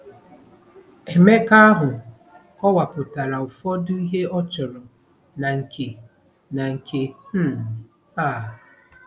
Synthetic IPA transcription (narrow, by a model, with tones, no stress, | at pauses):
e˨me˦ka˦a˦ɦʊ˨ | ɔ˦wa˨pʊ˨ta˨ɾa˨ʊ˨fɔ˦dʊ˦i˦ɦe˦ɔ˦t͡ʃɔ˨ɾɔ˨ | na˨ŋ̩˨kʰe˨ | na˨ŋ̩˨kʰe˨h̩˦ | a˦˨